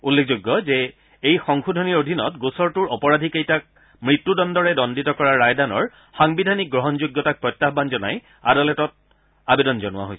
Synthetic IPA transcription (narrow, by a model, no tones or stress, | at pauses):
ulːekʰzuɡːɔzɛ | ejxɔŋxʰudʱɔniɹodʱinɔtɡosɔɹtuɹɔpɔɹadʱikejtak̚ | mɹitːudɔndɔɹɛdɔnditɔkɔɹaːajdanɔɹ | xaŋbidʱanik̚ɡɹɔɦɔnzuɡːɔtak̚pɹɔjtːaɦbanzɔna̰j | adɔlɛtɔt̚ | abedɔnzɔnʊwa̰ɦo̰jsɛ